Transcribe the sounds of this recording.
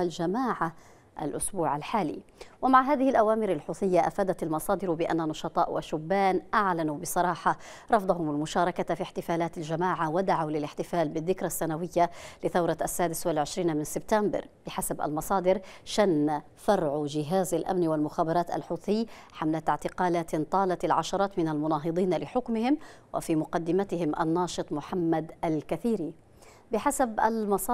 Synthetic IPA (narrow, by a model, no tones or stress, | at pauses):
ald͡ʒamaːʕa | ʔa̰lʔʊsbuːʕalħaːlḭːwamaʕɦaːðɪhɪlʔawaːmɪɾalħuːθɪjːaʔafaːd̪at̪almɑsˤɑːd̪ɪɾbɪʔa̰nːanɑʃɑt̪ˤɑ̰ːʔwʔa̰ʃʊbːaːnʔaʕlanubɪsˤɑɾˤɑːħɑ | ɾˤɑfd̪ˤɑhʊmalmʊʃɑːɾˤɑkafiħt̪ɪfaːlaːt̪ald͡ʒamaːʕawad̪aʕawlɪlɪħt̪ɪfaːlbɪðːɪkɾasːanawɪjːalɪθawɾˤɑʔasːaːd̪ɪswalʕɪʃɾiːnmɪnsɪb̚t̪ambɑ̰ɾb̥ɪħasabʔa̰lmɑsˤɑːd̪ɪɾʃanːa | fɑɾˤʕd͡ʒɪɦaːzalʔa̰mnwalmʊxaːbɑɾˤɑːt̪a̰lħuːθɪjːħamlat̪ʕt̪ɪqɑːlaːt̪t̪ˤɑːlɑt̪alʕaʃɑɾˤɑːt̪mɪnalmʊnɑːɦɨd̪ˤiːnlɪħʊkmɪhɪm | wʔa̰fiːmʊqɑd̪ːɪmat̪ɪhɪmʔa̰nːɑːʃɨt̪ˤmʊħamːad̪ʔalkaθiːɾiː | bɪħasabʔa̰lmɑsˤɑː